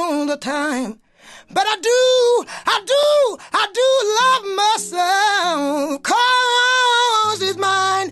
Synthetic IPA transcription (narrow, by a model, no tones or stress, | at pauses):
ðətʰãɪ̃m | bʌɾaɪdəaɪdəaɪdəlʌvmaɪsɛlfkʰʌ | zɪzmãɪɪ̃n